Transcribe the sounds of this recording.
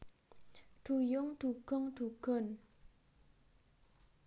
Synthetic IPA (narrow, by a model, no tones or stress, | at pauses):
tʰujoŋtʰukoŋtʰukən